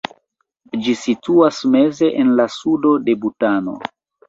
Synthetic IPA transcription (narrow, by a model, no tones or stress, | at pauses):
d͡ʒisituasme̞ze̞ʔenlasudo̞de̞butano̞̰